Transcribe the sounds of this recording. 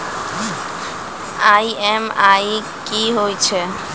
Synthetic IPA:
aiɛmai | kiɦojt͡ʃʰɛ

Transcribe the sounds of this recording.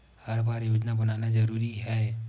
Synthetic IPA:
hɐɾbaːɾjoːd͡ʒnabɐnaːnad͡ʒɐɾuːɾiɦɛː

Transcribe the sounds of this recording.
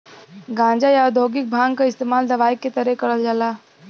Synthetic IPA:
ɡãːnd͡ʒajad̪ʱoːɡɪk̚bʱãːŋɡkaɪst̪eːmaːld̪ɐʋaːikːet̪ɐɾɛkəɾəld͡ʒaːlaː

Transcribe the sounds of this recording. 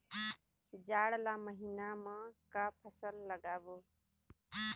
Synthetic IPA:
d͡ʒaːɽlaːməɦiːnaːmãːkaːpʰəsəlːəɡaːboː

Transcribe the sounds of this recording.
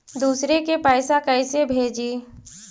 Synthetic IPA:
d̪uːsɾekepaːɪsakəɪsebʱeːd͡ʒiː

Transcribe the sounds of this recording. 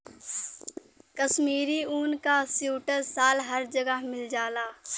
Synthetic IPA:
kəʃmiːɾiuːnkasjuːʈəɾsaːlɦəɾd͡ʒəɡəɦmɪld͡ʒaːlaː

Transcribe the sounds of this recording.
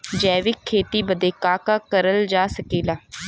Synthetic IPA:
d͡ʒɛːʋɪkʰːeːt̪iːbəd̪eːkaːkaːkəɾəld͡ʒaːsəkiːlaː

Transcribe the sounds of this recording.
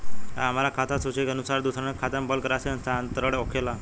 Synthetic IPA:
a̰am̤alakʰat̪ʰasut͡ʃekənusaɾd̪usɾankʰat̪ambəlkəɾaseənsaənt̪əɾəɽeokʰela

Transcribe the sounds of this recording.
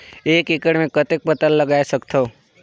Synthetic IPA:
eːkɪkəɽmẽkət̪ek̚pət̪əlləɡaːesəkt̪ʰoː

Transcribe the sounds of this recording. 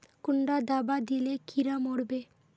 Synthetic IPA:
kuɳɖad̪abad̪ilekʰiɾamoɽbe

